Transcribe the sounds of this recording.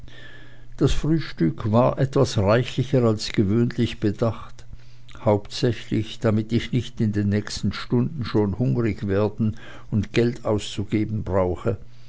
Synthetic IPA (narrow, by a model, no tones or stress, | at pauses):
d̥asfʁ̥yːʃtʏkvaːɐʔɛtv̥asʁaɪçlɪçəʁalsɡ̥əvøːnlɪçb̥ədaχt | haʊptsɛçlɪçd̥amɪtɪçnɪçtɪndeːnːɛːçstn̩ʃtʊndn̩ʃoːnhʊŋʁɪçveːɐdn̩ | ʊntɡ̥ɛltʰaʊst͡suɡeːbn̩bʁaʊxə